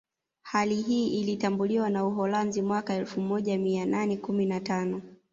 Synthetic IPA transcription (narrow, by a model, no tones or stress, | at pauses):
haliɦiːʔilitambuliwanauɦɔlanzimwakaɛlfumɔʄamiananɛkuminatanɔ